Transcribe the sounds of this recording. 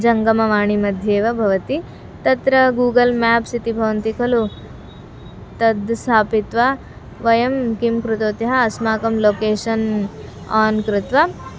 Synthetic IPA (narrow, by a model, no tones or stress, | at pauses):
d͡ʒɐŋɡɐmɐʋaːɳimɐd̪ʱjeːʋɐbʱɐʋɐt̪i | t̪ɐt̪ɾɐɡuːɡɐlmɛːpsit̪ibʱɐʋɐnt̪ikʰɐlu | t̪ɐd̪st̪ʰaːpit̪ʋa | ʋɐjɐmkimkɾut̪oːt̪jɐɦɐːsmaːkɐmloːkeːʂɐn | aːnkɾɪt̪ʋɐ